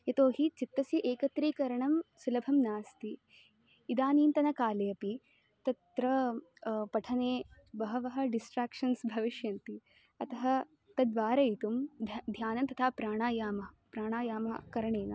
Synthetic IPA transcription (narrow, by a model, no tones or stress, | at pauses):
jɐt̪oːɦit͡ʃit̪ːɐsiʔeːkɐt̪ɾiːkɐɾɐɳɐmsulɐbʱɐmnaːst̪iː | d̪aːniːnt̪ɐnɐkaːlɐjɐpi | t̪ɐt̪ɾɐ | pɐʈʰɐneː | bɐɦɐʋɐɦɐ̆ɖisʈɾaːkʂɐnsbʱɐʋiʃjɐnt̪i | ɐt̪ɐɦɐ | t̪ɐd̪ʋaːɾɐjit̪umd̪ʱjaːnɐnt̪ɐt̪ʰaːpɾaːɳaːjaːmɐɐpɾaːɳaːjaːmɐkɐɾɐɳeːnɐ